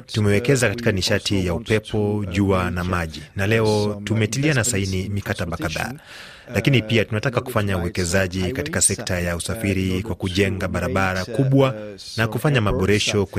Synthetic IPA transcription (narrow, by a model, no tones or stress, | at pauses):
tumɛwɛkɛzakatikaniʃatʰijaupɛpɔʄuanamaʄinalɛɔtumɛtilianasainimikataɓakaða̰ː | lakinipiatunatakaku̥faɲauwɛkɛzaʄikati̥kasɛktajausafiɾikwakuʄɛŋɡaɓaɾaɓaɾakuɓwa | nakufaɲamaɓɔɾɛʃɔk